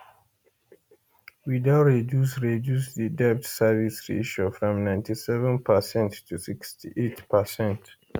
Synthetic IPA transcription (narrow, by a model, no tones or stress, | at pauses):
widaʊɹidjus̬ɹidjus̬ðidɛp̚tsɛvisɹḭʃofɹɔ̃mnãɪ̃ntisɛvə̃npʰəsɛ̃ntːʰusikstʰiʔetpʰəsɛ̃nt